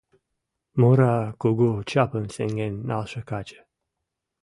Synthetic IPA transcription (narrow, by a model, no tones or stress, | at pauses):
moɾakoɡot͡ʃapənseŋɡenːa̰lʃəkat͡ʃə̥